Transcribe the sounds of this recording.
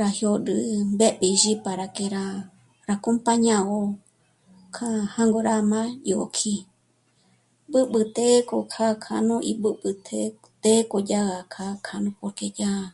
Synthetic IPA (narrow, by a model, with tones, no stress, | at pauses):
ɾa˧hjo˧dɨ˧be˦ɓi˧ʒi˦pa˨ɾa˨ke˧ɾa˧ | ɾa˧ko˦mpa˦ɲã˧ɣo˧ | kʰa˧hã˦ŋɡo˧ɾa˦mã˦jo̰˨kʰi˧ | bɨ˦ɓɨ˧t̪e˦ko˧kʰa˦kʰa˧nõ˦ʔi˧bɨ˦bɨ˧t̪ʰe | t̪e˦ko˧d͡ʒa˦ɣa˧kʰa˧kʰa˧nũ˧po˧ɾke˧d͡ʒa˦